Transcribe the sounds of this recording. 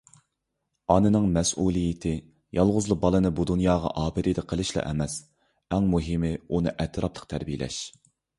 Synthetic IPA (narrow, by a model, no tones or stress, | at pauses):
ɑnɨnɨŋmɛsulˠijɪt̪ʰɪ | jɑlˠʁʊzlˠəbɑlˠɨnɨbud̪unjɑːʁɑ̰ʔɑːbɨɾid̪ɛqʰəlˠɨʃlˠɑ̰ʔɛ̰mɛs | æŋmuɦɪmɪunɨʔɛt̪ʰɾɑplˠə̥q̚t̪ʰæɾbijɪlɛ̰ʃ